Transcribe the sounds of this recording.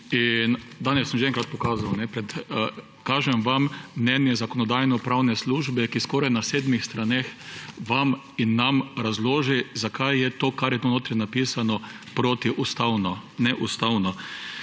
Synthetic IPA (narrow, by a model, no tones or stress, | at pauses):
ind̪aːnɛsːəmʒɛɛŋkɾat̪̚pɔkaːzawnɛpɾɛt̪ | kaːʒɛmʋammnɛnjɛzakɔnɔd̪ajnɔpɾawnɛsluːʒbɛkiskɔːɾajnaseːd̪mixst̪ɾanexʋam | inːamɾazloːʒizakʰajːɛt̪oːkaɾjɛt̪onoːt̪ɾɛnapiːsanɔ | pɾoːt̪iʔust̪awnɔnɛʔust̪awnɔ